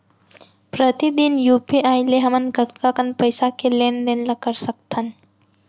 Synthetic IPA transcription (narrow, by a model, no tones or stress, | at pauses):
pɾət̪id̪injuːpiʔaːjleɦɐmənɡət̪kakənpəjsakelend̪enlɐkəɾsək̚t̪ʰən